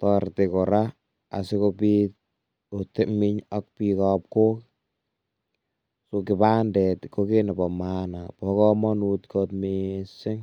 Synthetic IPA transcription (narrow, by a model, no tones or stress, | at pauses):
tɔrtekɔɾa | a̰sɪkopit̚ | otemɪɲɔk̚pikɔp̚kok | sokɪpandɛtkokenabɔmanapɔkɔmɔnutkɔtmesɪŋ